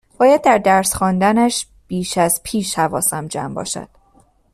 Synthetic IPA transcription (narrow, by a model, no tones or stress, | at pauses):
b̥ɒːjæd̪̚ːæɾd̪æɾsxɒːnd̪ænæʃ | b̥iːʃæz̥pʰiːʃhævɒːsæmd͡ʒæ̰mbɒ̰ːʃæ̰d̪̥